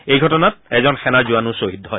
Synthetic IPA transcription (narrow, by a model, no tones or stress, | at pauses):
ejɡʱɔtɔnat̚ɛzɔnxɛnazuanusoɦidʱːɔɦɔj